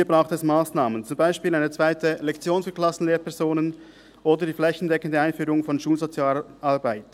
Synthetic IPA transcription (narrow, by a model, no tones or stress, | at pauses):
iːbʁaʊxtɛsmaːsnaːmənt͡sʊmbaɪʃpiːlaɪnət͡sv̥aɪtəlɛkt͡sjoːnfyklɑsn̩leːpʰɛɐzoːnən | ʔoːdədiːflɛçn̩dɛkəndəaɪnfyːɾʊŋfɔnʃuːlzot͡sjaːlɑʁbaɪt